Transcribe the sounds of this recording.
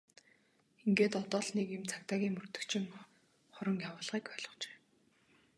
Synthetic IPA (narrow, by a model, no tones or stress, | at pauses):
eŋɡeːt̪ɔt̪ɔːɮnekemt͡sʰakt̪aːɣʲiːŋmɵr̥t̪ɵ̆kt͡ɕʰɪ̆ŋ | χʊɾə̆ŋjawʊːɮʁiːkpœːɮɞ̆χt͡ɕe̥ː